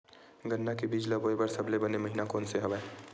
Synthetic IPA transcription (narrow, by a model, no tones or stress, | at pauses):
ɡənːakebid͡ʒləbojbəɾsəbʱlebəneməɦinakonseɦəbɛ